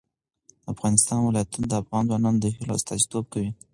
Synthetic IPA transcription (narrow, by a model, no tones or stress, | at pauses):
d̪əafɣɑnɪst̪ɑnwɪlɑjat̪und̪əafɣɑnzwɑnɑnd̪əhɪlo̰st̪ɑzit̪ob̚kawi